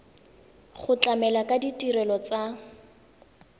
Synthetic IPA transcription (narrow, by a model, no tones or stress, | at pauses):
χʊt͡ɬamɛlakʼaditʼiɾɛlɔt͡sa